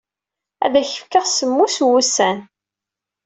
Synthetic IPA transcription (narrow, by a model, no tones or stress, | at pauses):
æ̰ðæçə̥fkəʁsəmːuswusæn